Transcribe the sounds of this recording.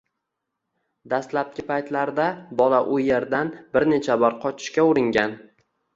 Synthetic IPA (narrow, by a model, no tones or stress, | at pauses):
d̪ast̪lap̚kʲɪpʰajt̪laɾd̪abɒlaʔʊjeɾd̪anbɪɾne̞t͡ʃʰabɒɾqʰɒt͡ʃʰɪ̥ʃkʲaʊɾɪŋɡʲan